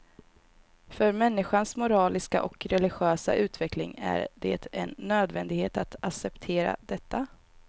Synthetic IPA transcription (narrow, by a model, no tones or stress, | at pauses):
fœɾmɛnːɪɧansmʊɾɑːlɪskaʔɔkɾɛlɪɧøːsa̰ʔʉ̟ːt̪vɛklɪŋæ̰ɾd̪ḛːt̪ʰɛnːøːd̪vɛnd̪ɪɡheːt̪at̪aksɛpt̪ʰeːɾa̰d̪ɛt̪ʰːa